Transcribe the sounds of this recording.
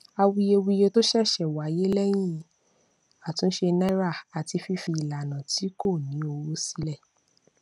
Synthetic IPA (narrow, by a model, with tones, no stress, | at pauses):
a˧wi˧je˧wi˧je˧to˦ʃɛ˦˨ʃɛ˦˨wa˨˦je˦lɛ˦j̃ĩ˦˨ | a˨tũ˨˦n̩˦ʃe˧na˦ɾa˦˨a˨ti˧fi˧fi˧i˨la˨nã˨ti˨˦ko˦˨nĩ˨˦o˧wo˦si˦lɛ˦˨